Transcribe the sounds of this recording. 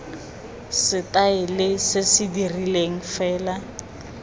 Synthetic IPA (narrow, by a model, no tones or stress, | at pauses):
sɪtaɪlɪsɪsɪdirileŋ̩fɛːla